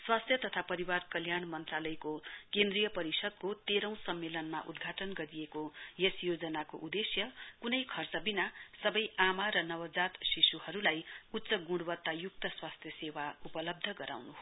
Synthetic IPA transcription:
swast̪ʰjʌt̪ʌt̪ʰapʌɾiwarkʌljaɳmʌnt̪ralʌjkokẽnd̪rijʌpʌɾisʌd̪̚kot̪eɾʌ̃w̃sʌmːelʌnma̰ʔud̪ɡʱaʈʌnɡʌɾijekojesjod͡zʌnakoʔud̪esjʌkunʌjkʰʌrt͡sʌbinasʌbʌjʔamaɾʌnʌwʌd͡zat̪sisuhʌɾulajut̪ːsʌɡũɽwʌt̪ːajuk̚t̪ʌswast̪ʰjʌsewaupʌlʌb̚d̪ʱʌɡʌɾa̰wnuɦ

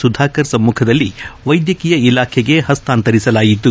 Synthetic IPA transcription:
sud̪ʱaːkɐɾsɐmːuːkʰɐd̪ɐlːiʋɐjd̪jɐkijɐilaːkʰɛɡe̞ɦɐst̪aːnt̪ɐɾisɐlaːjit̪ːu

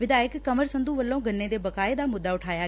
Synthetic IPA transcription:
ʋɪd̪aːjəkːəməɾsənd̪uːʋəlːõːɡʱənːeːd̪eːbəkaːeːd̪aːmʊd̪ːaːʊʈʰaːjaː

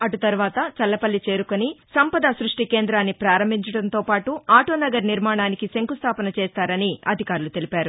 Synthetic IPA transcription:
ɐʈut̪ɐɾuʋaːt̪ɐt͡ʃɐlːɐpɐlːit͡ʃe̞ːɾukonisɐmpɐd̪ɐsɾuʂʈike̞ːnd̪ɾaːnːipɾaːɾɐmbʱiɲt͡ʃɐɽɐnt̪o̞ːpaːʈuaːʈoːnɐɡɐɾniɾmaːɳaːnikiseŋkust̪ʰaːpɐnɐt͡ʃɛːst̪aːɾɐniʔɐ̰d̪ʱikaːɾulut̪e̞lipaːɾu

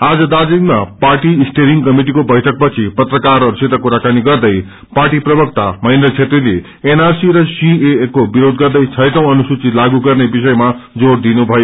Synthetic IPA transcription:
ad͡zʌd̪ad͡ziŋmapaʈiːsʈeɾiŋɡkʌmiʈ̬ikobʌjʈʰʌk̚pʌt͡sʰipʌt̪rʌkarʌɾuset̪akuɾakaniɡʌrd̪ʌj | paʈiprʌbʌk̚t̪amʌj̃nd̪rʌt͡sʰet̪rile | enarsiɾʌsiekobiɾod̪̚ɡʌrd̪ʌjt͡sʰʌjʈʌ̃w̃ʌnusut͡silaɡuɡʌrnebisʌjmad͡zoɾd̪inubʱʌjo

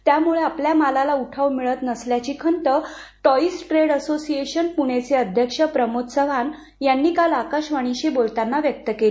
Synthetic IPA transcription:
t̪jamuɭeapljamalalauʈʰəʋmiɭət̪nəsljat͡ɕiːkʰənt̪əʈɔisʈɾeɽəsosieɕənpuɽ̃et͡seəd̪ʱjəkʂəpɾəmot̪səʋan | janːiːkalakaɕʋaɽ̃iɕebolt̪anːaʋjək̚t̪əkeli

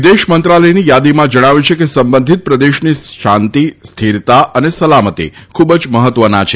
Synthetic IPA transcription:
d̪eʃmənt̪ɾaləjnijad̪imãd͡ʒəɽ̃aʋjũt͡ʃʰekesəmbənd̪ʱit̪̚pɾəd̪eʃniʃant̪ist̪ʰiɾt̪aʔənesəlamət̪ḭkʰubd͡ʒməɦət̪ʋənat͡ʃʰe

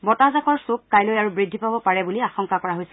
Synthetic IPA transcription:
bɔtazakɔɹsukːajlojaɹubɹidʱːipabɔpaɹɛbuliaxɔŋkakɔɹaɦojsɛ

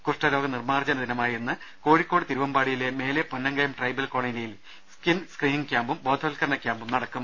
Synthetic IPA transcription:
kuʂʈɐɾo̞ːɡɐnirmaːrd͡ʑɐnɐd̪inɐmaːjienːɨ | ko̞ːɻikʲːo̞ːɽɨt̪iɾuʋɐmbaːɽijile̞me̞ːleponːɐŋɡɐjɐmʈrɐjbɐlkoːɳɐjilejil | skinskriːniŋkʲjaːmbumbo̞ːd̪ʱolkɐɾɐɳɐkʲːaːmbumnɐɽɐkːum

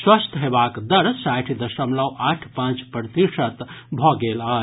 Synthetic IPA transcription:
swəst̪ʰɦebakd̪əɾsaʈʰid̪əsəmləwʔaʈʰpãt͡ʃpɾət̪iʂət̪bʱɔɡela

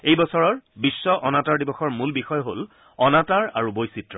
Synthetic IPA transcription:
ejbɔsɔɹɔɹbisːɔʔɔnataɹdibɔxɔɹmulbixɔjɦol | ɔnataɹa̰ɹubojsitɹɔ

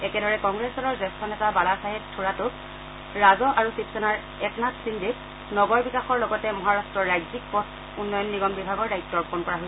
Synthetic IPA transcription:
ɛkɛdɔɹɛkɔŋɡɹɛsɔlɔɹzɛstʰɔnɛtabalasaɦɛttʰːuɹatʊk | ɹazɔʔaɹusipsɔnaɹ | ɛknatsindʱik | nɔɡɔɹbikaxɔɹlɔɡɔtɛmɔɦaɹastɹɔɹːajzik̚pɔs | unːɔjɔnːiɡɔmbibʱaɡɔɹdajtːɔɹpɔnkɔɹaɦojsɛ

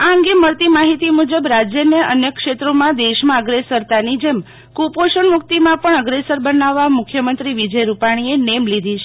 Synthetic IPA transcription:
aəŋɡeməɾt̪imaɦit̪imud͡ʒəbɾad͡ʒjəneə̰njəkʃet̪ɾomãd̪eʃmãəɡɾesəɾt̪anid͡ʒem | kupoʃənmʊk̚t̪imãpəɳəɡɾesəɾbənaʋːamʊkʰjəmənt̪ɾiʋid͡ʒəjɾupaɽ̃ienemlid̪ʱit͡ʃʰe

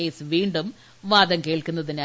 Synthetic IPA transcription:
ejsʋiːɳɖum | ʋaːd̪ɐmkeːɭkunːɐðina

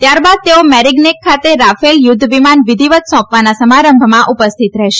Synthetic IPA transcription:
t̪jaɾbad̪̚t̪eomɛɾiɡnekʰːat̪eɾafeljʊd̪ʱːʋimanʋid̪ʱiʋət̪sɔ̃pʋanasəmaɾəmbʱmãʔupəst̪ʰit̪ɾɛɦʃe

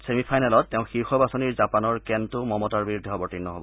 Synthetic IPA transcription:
semipʰajnalɔtːɛʊ̃xiɹxɔbasoniɹzapanɔɹkɛntʊmɔmɔtaɹbiɹudʱːiɔbɔɹtinːɔɦo̰bɔ

